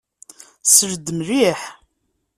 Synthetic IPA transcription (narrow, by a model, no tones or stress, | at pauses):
səɾd̪mɾiħ